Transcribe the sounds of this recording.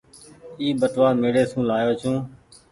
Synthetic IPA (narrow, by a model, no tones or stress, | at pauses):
iːbəʈʋaːmeːɽeːsũːlaːjoːt͡ʃʰũː